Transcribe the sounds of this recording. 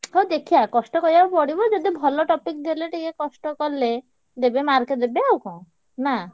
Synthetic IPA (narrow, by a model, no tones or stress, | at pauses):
ɦod̪ekʰijakɔsʈɔkɔɾibapɔɽibɔd͡ʒɔd̪ibʱɔlɔʈɔpikd̪eleʈikekɔsʈɔkɔɾle | d̪ebemaɾked̪ebeawkɔ̃ | na